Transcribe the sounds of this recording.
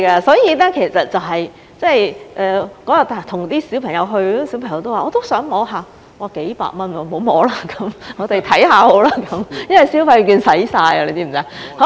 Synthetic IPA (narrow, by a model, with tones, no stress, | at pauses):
kɐ˧sɔː˨˥jiː˧nɛ˥kʰe˨˩jsɐ˨t̚t͡sɐ˨wɦɐ˨j | t͡sɛ˥˩jʔɛː˨kɔː˨˥jɐ˨t̚t̪aː˨˩t̪ʰʊ˨˩ŋt̪iː˥si˨˥wpʰɐ˨˩ŋjɐ˨˧wɦɵ˧ɥa˥si˨˥pʰŋjɐ˨˧wt̪o˥waː˨ɔː˨˧t̪o˥wsœː˨˥ŋmɔː˨˧ɦaː˨˧ | waː˨˩ke˨˥jpa̰ː˧k̚mɐ˥nwɔː˨˧˩mo˨˥wmɔː˨˥laː˥kɐ˨˥mŋɔː˨˧t̪e˨jt̪ʰɐ˨˥jhaː˨˧ho˨˥laː˥kɐ˨˥mjɐ˥nwɐ˨jsi˨˥wpʰɐ˧˥jkyː˧nsɐ˨˥jsaː˧jɐ˧le˨˧t̪iː˥˩m̩˨˩t͡sa˧˥ho˧˥